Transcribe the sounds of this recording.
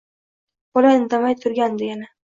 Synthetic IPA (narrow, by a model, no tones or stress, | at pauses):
bɒlanɪd̪amajt̪ʰʊɾɡʲand̪ɪɡʲɪnɪ